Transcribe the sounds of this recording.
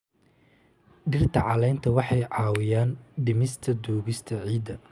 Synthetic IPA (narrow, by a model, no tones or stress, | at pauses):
ɖɪrt̪ʰɐʕɑlɛjnt̪ʰɐwɑħɑjʕɑːwɪjaːnɖɪmɪst̪ʰɐd̪uːɣɪst̪ʰɐʕiːd̪ɐ